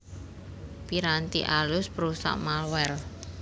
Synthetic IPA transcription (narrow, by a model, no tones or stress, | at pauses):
piɾant̪iʔalʊspɾusa̰ʔmalwɛl